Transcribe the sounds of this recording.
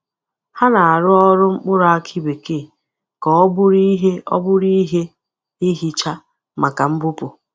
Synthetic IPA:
ha˦na˨a˨ɾʊ˦ɔ˦ɾʊ˦ŋ͡m̩˦k͡pʊ˦ɾa˦kʰi˦be˨ke˦˨ | kɔ˨ɔ˦bʊ˦ɾi˦ɦe˦ɔ̰˦bʊ˦ɾi˦ɦe˦ | i˦ɦi˦t͡ʃa˦ | ma˨ka˨m̩˦bʊ˦pʊ˨

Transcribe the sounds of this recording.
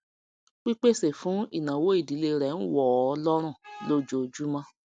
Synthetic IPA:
k͡pi˦k͡pe˦˨se˨fũ˨˦ḭ˦˨nã˨wo˨˦i˦˨di˨˦le˧ɾɛ˨˦n̩˦wɔ˨ɔ˧lɔ˦ɾ̃ũ˦˨lo˦d͡ʒo˨d͡ʒu˦mã˧

